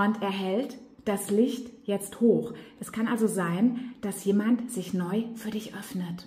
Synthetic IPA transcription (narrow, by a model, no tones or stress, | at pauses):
ʊntɛɐɦɛlt | d̥aslɪçtjɛt͡sthoːxʔɛskʰanʔalzozaɪnd̥asjeːmantz̥ɪçnɔʏfyːɐdɪçʔœfnət